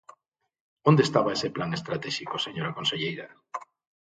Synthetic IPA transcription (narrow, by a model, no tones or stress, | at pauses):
õnd̪est̪aβaeseplaŋest̪ɾat̪ɛʃikoseɲoɾakonseʎejɾɐ